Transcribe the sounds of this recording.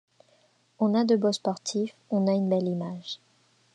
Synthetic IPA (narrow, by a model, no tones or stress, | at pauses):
ɔ̃nad̪əbospɔʁt̪ʰif | ɔ̃naynbɛlimaʒ